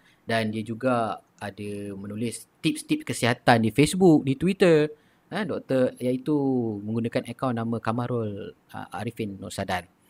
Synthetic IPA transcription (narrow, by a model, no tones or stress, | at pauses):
dandiad͡ʒuɡa | adamə̃nulɪs | t̪ip̚st̪ip̚kəsiɦat̪andifesbuk̚dit̪wit̪ər | ədɔk̚t̪ərjait̪umə̃ŋɡunãkanakawnːamãkamaɾɔl | ə̰ʔa̰ɾifinːɔ̰ʔsadan